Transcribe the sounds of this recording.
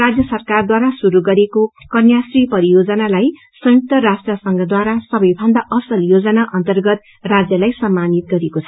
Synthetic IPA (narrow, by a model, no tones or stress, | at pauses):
rad͡zjʌsʌrkard̪waɾasuɾuɡʌɾeko | kʌnjasripʌɾijod͡zʌnalaj | sʌ̃juk̚t̪ʌɾasʈrʌsʌŋɡʌd̪waɾasʌbʌjbʱʌnd̪aʔʌsʌljod͡zʌnaʔʌnt̪ʌrɡʌt̪̚ | rad͡zjʌlajsʌmːanit̪̚ɡʌɾekot͡sʰʌ